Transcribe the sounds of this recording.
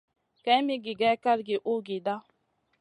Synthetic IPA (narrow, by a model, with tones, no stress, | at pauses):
ka˨˦mi˦ɡɪ˨ɡɛ˦ka˦ɾɡɪ˨ʔu˦ɡɪ˨da˦